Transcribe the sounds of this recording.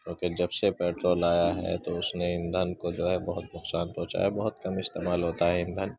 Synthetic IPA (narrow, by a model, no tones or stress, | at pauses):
kʲjõːked͡ʒɐbsepɛːʈɾoːlaːjaɦɛ̰t̪oʊsneɪ̃nd̪ʱənkod͡ʒoːɦɛbɐɦʊt̪nʊqsaːnpɔ̃ɦt͡ʃa̰ːjabɐɦʊt̪̚kɐmɪst̪eːmaːlɦoːt̪aɦɛɪ̃nd̪ʱən